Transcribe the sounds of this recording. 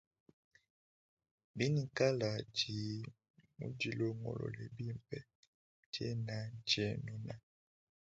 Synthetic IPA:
bi˦ni˨ka˦la˨d͡ʒi˨ | mṵ˦d͡ʒi˨lo˦ŋɔ̰˨lɔ̰˨lɛ˨bi˦˨m˨pɛ˦ | d͡ʒḛ˦na˨d͡ʒe˦nɔ˨na˦

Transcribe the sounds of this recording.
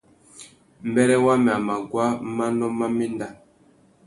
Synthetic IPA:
m̩˨bɛ˦ɾɛ˦wa˦mɛ˨a˨ma˨ɡwa˦ma˦nɔ˦ma˦mɛ˦nda˦

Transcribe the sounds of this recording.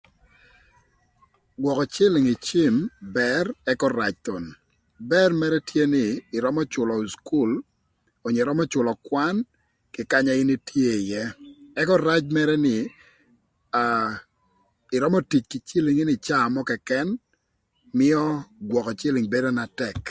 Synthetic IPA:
ɡwɔ˨kɔ˨t͡ʃɪ˦lɪ˨ŋɪ˨t͡ʃi˦mbɛ˦rɛ˦kɔ˦ɾa˨t͡ʃt̪o˨n | bɛ˦rmɛ˦ɾɛ˦tje˦nɪː˨ɾɔ˦mɔ˦t͡ʃʊ˨lɔ˨sku˦˨l | o˨ɲe˨ɾɔ˦mɔ˦t͡ʃʊ˨lɔ˨kwa˦n | kɪ˨ka˦ɲa˨˦ɪ˦ni˦tje˦˨jɛ˦ɛ˦kɔ˦ɾa˦t͡ʃmɛ˦ɾɛ˦nɪ˨ | a | ɪ˨ɾɔ˦mɔ˦ti˨t͡ʃkɪ˨t͡ʃɪ˦lɪ˨ŋɪ˦nɪ˨t͡ʃaː˦˨mɔ˦kɛ˨kɛ˦n | mɪ˦ɔ˦ɡwɔ˨kɔ˨t͡ʃɪ˦lɪ˨ŋbe˦do˦na˨tɛ˨k

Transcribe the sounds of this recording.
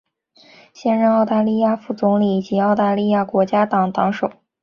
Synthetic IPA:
ɕjɛ˥nɻə˥˧nɑ˥˧ʊt̪a˥˧li˥˧ja˥˧fu˥˩t͡sʊ˧˥ŋli˨˩t͡ɕi˧˥ɑ˥˧ʊt̪a˥˧li˥˧ja˥˩kwɔ˧˥t͡ɕja˥t̪ɑ˨˩ŋt̪ɑ˧˥ŋʂo˨˩˦ʊ

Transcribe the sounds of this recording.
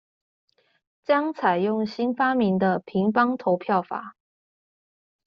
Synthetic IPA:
t͡ɕjɑ˥ŋt͡sʰa˨˩ɪjʊ˥˩ŋɕi˥nfa˥mi˧˥ŋd̪ə˧pʰi˧˥ŋpɑ˥ŋt̪ʰo˧˥ʊpʰjɑ˥˩ʊfa̰˨˩˦

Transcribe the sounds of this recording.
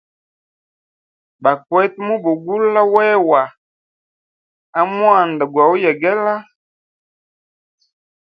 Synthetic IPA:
ba˨kwɛ˦tmu˦bo˨ɡu˦la˦wɛ˦wa˨ | a˦mwa˦˨nda˨ɡwa˨u˦jɛ˨ɡɛ˦la˦

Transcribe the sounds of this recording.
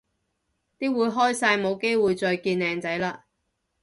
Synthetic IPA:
t̪iː˥wuː˨˧jɦɔː˥jsaː˧jmo˨˧wke˥jwuː˨˧jt͡sɔː˨˧jkiː˧nlɛː˨˧ŋt͡sɐ˨˥jlaː˧

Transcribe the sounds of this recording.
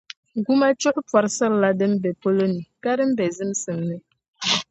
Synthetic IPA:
ɡu˦ma˦t͡ʃu˦ʔpwa˨ɾsə˦ɾla˦dɨ˦m̩˦bɛ˨po˦lo˦ni˨ka˦ɾɨ˦m̩˦bɛ˨zɨ˦msɨ˨mnɨ˦

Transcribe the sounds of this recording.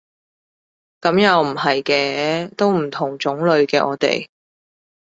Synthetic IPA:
kɐ˨˥mjɐ˨wm̩˨˩hɐ˨jkɛː˧t̪o˥wm̩˨˩t̪ʰʊ˨˩ŋt͡sʊ˨˥ŋlɵ˨˧ɥkɛː˧ʔɔ̰ː˨˧t̪ḛ˨˩j

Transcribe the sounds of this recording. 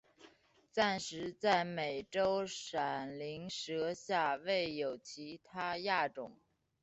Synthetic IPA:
ta˥˩nʂɻ̩˧˥t͡sa˥˩ɪme˨˩ɪʈ͡ʂo˥ʊʂa˨˩nli˧˥ŋʂɤ˧˥ɕja˥˧we˥˩ɪjo˨˩ʊt͡ɕʰi˧˥t̪ʰa˥ja˥˩ʈ͡ʂʊ˨˩˦ŋ

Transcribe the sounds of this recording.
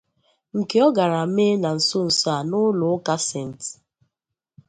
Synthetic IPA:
ŋ̩˨ke˨ɔ˦ɡa˨ɾa˨˦me˦na˨n̩˨so˦n̩˨sa˨nʊ˦lʊ˨˦ka˦se˦˨n̩˨t

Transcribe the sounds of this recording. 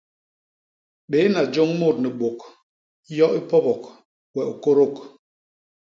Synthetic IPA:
ɓe˨˦na˨d͡ʒo˦ŋmo˦˨t̚nɛ˨ɓo˨k | jɔ˦ʔi˦pɔ˦bɔ˨k | wɛ˨ʔu˨ko˦ɾo˦˨k

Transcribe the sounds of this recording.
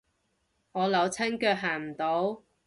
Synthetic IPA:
ŋɔː˨˧lɐ˨˧wt͡sʰɐ˥nkœː˧k̚ɦaː˨˩m̩˨˩t̪o˨˥w

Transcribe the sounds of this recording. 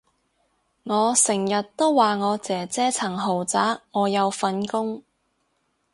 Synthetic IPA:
ŋɔː˨˧sɪ˨˩ŋjɐ˨tt̪o˥wwaː˨ŋɔː˨˧t͡sɛː˨˩t͡sɛː˥t͡sʰɐ˨˩ŋɦo˨˩wt͡saː˨˥kŋɔː˨˧jɐ˨˧wfɐ˧nkʊ˥ŋ

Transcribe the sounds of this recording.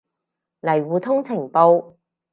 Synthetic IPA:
lɐ˨˩jwuː˨t̪ʰʊ˥ŋt͡sʰɪ˨˩ŋpo˧w

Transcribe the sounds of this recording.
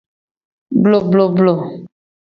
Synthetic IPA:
blo˨blo˨blo˨

